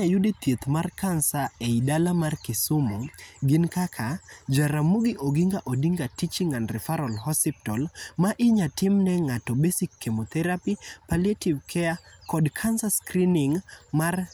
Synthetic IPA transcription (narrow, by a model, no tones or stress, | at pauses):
ajʊdet̪jet̪markansaeidalamarkɪsʊmoɡɪnkakʰad͡ʒaɾamuɡɪʔoɡiŋɡaʔodiŋɡatit͡ʃiŋanrɪfaɾɔlhɔsip̚tɔlmaʔɪɲatɪmnɛŋatɔbesikːemot̪ɛɾapipaljativkʰɛakɔdkʰansaskɾinɪŋmar